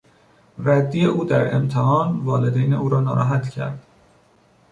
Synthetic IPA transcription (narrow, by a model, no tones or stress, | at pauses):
ɾæd̪ːijeuːd̪æɾḛmt̪ʰehɒːnvɒːled̪ejneʔuːɾɒːnɒːɾɒ̰ːɦæt̪cʰæ̰ɾd̪̥